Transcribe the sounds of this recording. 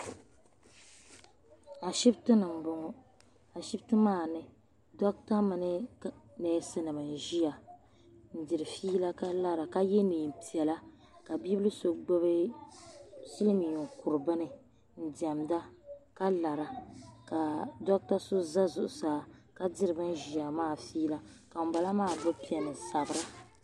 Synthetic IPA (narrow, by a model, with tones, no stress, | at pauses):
a˨ʃi˦btɨ˦nɨ˨m̩˨bo˨ŋɔ˨ | a˨ʃi˦btɨ˦maː˦˨nɨ˨ | dɔ˦k̚ta˦mɨ˨nɨ˦nɛ˨˦sɨ˦nɨ˨mɨ˨n̩˨ʒi˦a˨ | n̩˦dɪ˨ɾɨ˨fiː˦la˦ka˦la˦ɾa˨ka˦jɛ˦niː˨m̩˨pi˨ɛ˨la˦ | ka˨bi˦bɨ˦lɨ˦so˨ɡ͡bɨ˦bɨ˦ | si˦lmi˨u˨ŋku˨ɾɨ˨bɨ˦nɨ˨ | n̩˦di˨a˨mda˦ka˦la˨ɾa˨ka˨dɔ˦k̚ta˦so˦za˦zʊ˨ʔʊ˨saː˨ka˦dɪ˦ɾɨ˨bɨ˦n˦ʒi˨ja˨maː˦˨fiː˦la˦ka˨m̩˨ba˨la˦maː˦˨bɨ˦pi˦ɛ˨nɨ˨sa˨bɨ˨ɾa˦